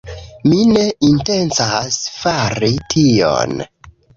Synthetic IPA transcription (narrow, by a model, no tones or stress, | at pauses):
mine̞inte̞nsasfaɾitʰio̰n